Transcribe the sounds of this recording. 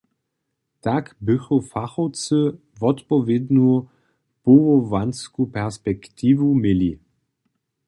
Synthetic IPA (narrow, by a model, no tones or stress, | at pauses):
t̪akbɪxɔfaxɔwt͡sɨ | vɔt̪pɔvjed̪nu | povɔvanskupɛʁspɛkt̪ʰiːvumjeli